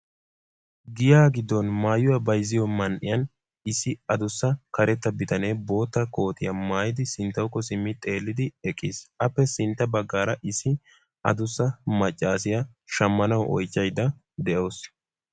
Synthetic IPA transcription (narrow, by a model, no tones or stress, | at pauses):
ɡɪjaːɡɪd̪ːɔnmaːjʊwɐbɐjzɪjɔmɐnʔɪ̰jɐn | ɪsːɪɐd̪ʊsːɐkɐɾɛt̪ːɐbɪt̪ɐne̞ːbo̞ːt̪ːɐko̞ːt̪ɪjɐmaːjɪd̪ɪsɪnt̪ːɐwkːɔsɪmːɪt̪ʼe̞ːlːɪd̪ɪɛkʼːiːsɐpːɛsɪnt̪ːɐbɐɡːaːɾɐʔɪsɪ | ʔɐ̰d̪ʊsːɐmɐt͡ʃʼːaːsɪjɐ | ʃɐmːɐnɐwʔɔ̰jt͡ʃːɐjd̪ːɐ | d̪ɛʔo̞ːs